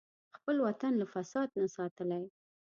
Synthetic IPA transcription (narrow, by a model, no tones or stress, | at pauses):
xpəlwat̪anlafasɑd̪̚nasɑt̪əlaj